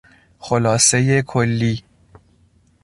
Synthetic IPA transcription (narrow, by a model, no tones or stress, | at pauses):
xolɒːse̞jekʰolːiː